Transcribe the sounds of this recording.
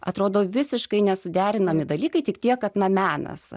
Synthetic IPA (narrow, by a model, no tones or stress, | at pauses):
ɐt̪ɾoːd̪oːʋʲɪsʲɪʃkɐɪnʲɛsʊd̪ʲæːɾʲɪnɐmʲɪd̪ɐlʲiːkɐɪt̪ʲɪkt̪ʲiɛkkɐt̪nɐmʲæːnɐ̰s